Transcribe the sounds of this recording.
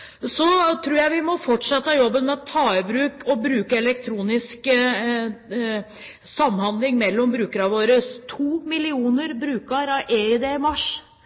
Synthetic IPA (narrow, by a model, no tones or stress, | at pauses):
sɔt̪ʰɾuːɾjæɪʋɪmɔfɔʈʂɑt̪ːəɑjɔbːənmɛɔt̪ʰːɑːɪbɾʉːkɔbɾʉːkəɛlɛk̚t̪ʰɾuːnɪsk | sɑmːhɑnd̪lɪŋmɛlːɔmbɾʉːkəɾɑʋoːɾəst̪ʰuːmɪlɪuːnəɾbɾʉːkɑɾɑʔeːɪd̪eɪmɑʂ